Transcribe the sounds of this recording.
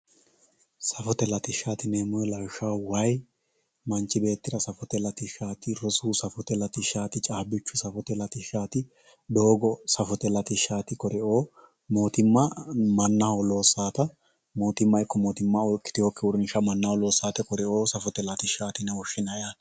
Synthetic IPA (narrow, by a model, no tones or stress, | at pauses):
sɐfɔt̪ɛlɐt̪ɪʃːaːt̪ɪneːmʊjɛlɐwʃawwɐj | mɐnt͡ʃːɪbe̞ːt̪ːɪɾɐsɐfɔt̪ɛlɐt̪ɪʃaːt̪ɪɾɔsuːsɐfɔt̪ɛlɐt̪ɪʃːaːt̪ɪt͡ʃʼaːbɪt͡ʃːʊsɐfɔt̪ɛlɐt̪ɪʃːaːt̪ɪ | d̪o̞ːɡɔsɐfɔt̪ɛlɐt̪ɪʃːaːt̪ɪkɔɾɛo̞ː | mo̞ːt̪ɪmːɐmɐnːɐhɔlo̞ːsːaːt̪ɐ | mo̞ːt̪ɪmːɐɪkːɔmoːt̪ɪmːaɔlkʼːɪ̥t̪ɪhɔkːɛwʊɾɪnɪʃɐmɐnːɐhɔlo̞ːsːaːt̪ɛkɔɾɛo̞ːsɐfɔt̪ɛlɐt̪ɪʃːaːt̪ɪnɛwɔʃɪnɐjaːt̪ɐ